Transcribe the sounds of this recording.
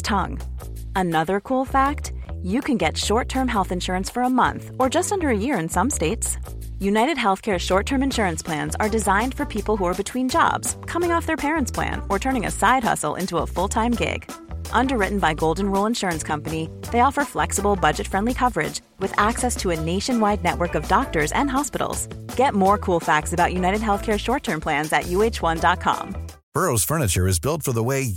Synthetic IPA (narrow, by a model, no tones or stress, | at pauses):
tʰʌ̰̃ŋ | ənʌðə˞kʰulˠfæk̚tjɨkʰɨ̃nɡɛtʃɔɹtʰɜ̃˞mɦɛlˠθɨ̃nʃʊɹɨ̃nsfə˞əmʌ̰̃nθə˞d͡ʒʌstʌ̃ndə˞ɨjɪɹɨ̃nsʌ̃msteɪts | jʉnaɪɾɨd̚ɦɛlˠθkʰɛɹʃɔɹtʰɜ̃˞mɨ̃nʃʊɹɨ̃nspʰl̥æ̃nzə˞dɨzãɪ̃nd̥fə˞pʰipl̩ˠɦuə˞bɨtʰw̥ĩnd͡ʒɑ̰bz̥kʰʌmɪ̃ŋɔfðə˞pʰɛɹɨ̃ntspʰl̥æ̰̃nə˞tʰɜ̃˞ñɪ̃ŋɨ̰saɪd̚hʌ̰sl̩ˠʔɪ̰̃ntuəfʊlˠtʰãɪ̃mɡɪ̰ɡ̥ʔʌ̃ndə˞ɹɪʔn̩baɪɡoʊlˠdⁿn̩ɹulˠə̃nʃʊɹɨ̃nskʰʌ̃mpɨniðeɪɔfə˞flɛksəbl̩ˠbʌd͡ʒɨtfɹɛ̃ndlikʰʌvə˞ɪ̰d͡ʒ | wɨðæksɛstʰəɨneɪʃɨ̃nwaɪdⁿnɛʔ̚wə˞kʌvdɑk̚tə˞zɨ̰̃nɦɑspɪɾl̩ˠz̥ɡ̥ɛt̚mɔɹkʰulˠfæk̚tsɨbaʊʔ̚jʉnaɪɾɨd̚ɦɛlˠθkʰɛɹʃɔɹtʰɜ̃˞npʰl̥æ̃nzɨ̰ʔjʉeɪt͡ʃwʌ̃ndɑt̚kʰɑ̰̃m | b̥ɜ˞oʊz̥fɜ˞nɨt͡ʃə˞ɨzbɪlˠtfə˞ðəweɪ